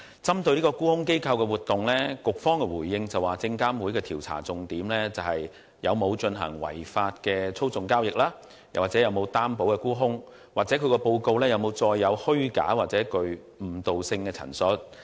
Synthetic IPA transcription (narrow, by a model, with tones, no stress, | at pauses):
t͡sɐ˥mt̪ɵ˧ɥliː˥kɔː˧kuː˥hʊ˥ŋke˥jkʰɐ˧wkɛː˧wuː˨˩t̚t̪ːʊ˨ŋlɛː˥kʊ˨k̚fɔː˥ŋkɛ˧wuː˨˩jːɪ˧ŋt͡sɐ˨waː˨˩t͡sɪ˧ŋkaː˥mwuː˨˥jkɛː˧t̪ʰiː˨˩wt͡sʰa̰ː˨˩t͡sʊ˨ŋt̪iː˨˥mlɛː˥t͡sɐ˨˩whɐ˨j | jɐ̰˨˧wmo˨˧wt͡ʃɵ˧nɦɐ̰˨˩ŋwɐ̰˨˩jfaː˧t̚kɛː˧t͡sʰo˥wt͡sʊ˨ŋkaː˥wjɪ˨k̚laː˥ | jɐ̰˨˩waː˨k̚t͡sɛː˨˥jɐ˨˧wmo˨˧wt̪aː˥mpo˨˥wkɛː˧kuː˥ɦʊ˥ŋ | waː˨˩t͡sɛː˨˥kʰkɛ˧po˧wko˧wlɛː˥jɐ˨˧wmo˨˧wt͡sɔː˧jːɐ˨˧whɵ˥ɥka̰ː˨˥waː˨k̚t͡sɛː˨˥kɵ˧ɥ | m̩˨˩t̪o˨wsɪ˧ŋkɛː˧t͡sʰɐ̰˨˩nsɵ˨˥t̚